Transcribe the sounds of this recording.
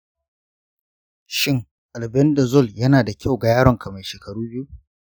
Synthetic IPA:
ʃɪ˦ŋ | ʔa˨lbɛ˦ndɐ˨zɔ˦˨ljɐ˦naː˨da˨kʲʰa˦wɡa˨jaː˦ɽɔ˨ŋkʰɐ˨ma˨jʃeː˨kʰɐ˨ɽuː˦bɪ˦ju˦

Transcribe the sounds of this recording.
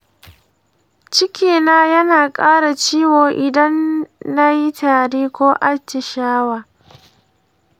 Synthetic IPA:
t͡ʃɪ˦kʲeː˨naː˦jɐ˦naː˨kʼaː˦ɽa˨t͡ʃiː˦woː˨ʔɪ˨dɐ˦nːa˦ji˦taː˨ɽeː˦kʷoː˦ʔa˦t͡ʃːɪ˨ʃaː˦waː˨

